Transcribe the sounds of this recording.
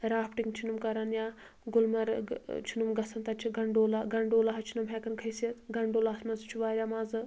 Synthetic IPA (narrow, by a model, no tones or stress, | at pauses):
ɾaːpʈiŋɡt͡ʃʰinumkɐɾɐnjaː | ɡulmɐɾt͡ʃʰunumɡɐsɐnt̪ɐt͡ʃʰiɡɐɳɖoːlaɡɐɳɖoːlaɦɐt͡ʃʰunumɦɛkɐnkʰɐjsɐt̪ʰɡɐɳɖoːlaːsmɐzt͡ʃʰuʋaːɾʲjaːmaːzɨ